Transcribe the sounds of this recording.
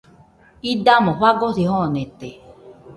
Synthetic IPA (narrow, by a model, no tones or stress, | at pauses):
idamɔ̃ɸaɡoθihɔ̃nẽt̪e